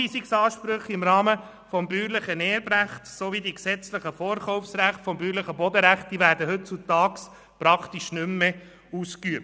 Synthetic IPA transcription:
iːsiksɑːʃpɾʏχɪmɾɑːmə | fɔmbyːɾlɪχənɛːəbɾæχtsovidiksɛt͡slɪχəfɔːɾχɔʊfsɾæχtfɔmbyːɾləχəbɔd̪əɾæχt̚d̥iʋæːɾdəɦhɵt̚t͡sut̪ɑːks | pɾɑkʰt̪iʃnʏmːe | uːskyəp̚

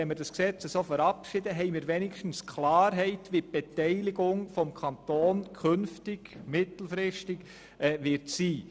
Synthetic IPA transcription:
ɛməɾdɑsksɛt͡səsoːfəɾɑpʃɪd̥əɦɛɪmiːɾʋɛnɪkʃtn̩skʰlɑːɾɦɛɪtʋip̚b̥etɛɪlɪɡʊŋfɔmkʰɑnt̪oːnkʰønftɪɡmɪtl̩fɾɪʃtɪɡ | ɛʋɪɾtsiː

